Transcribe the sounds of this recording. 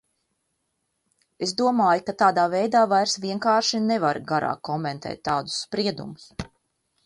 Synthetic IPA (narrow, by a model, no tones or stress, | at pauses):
esd̪uɔmaːjukat̪aːd̪aːvɛjd̪aːvajɾsvʲiɛŋkaːɾʃinevaɾɡaɾa̰ːkːɔmɛnt̪ʰɛ̰ːt̪ːaːd̪ʊ̥sːpɾiɛd̪ṵmʊs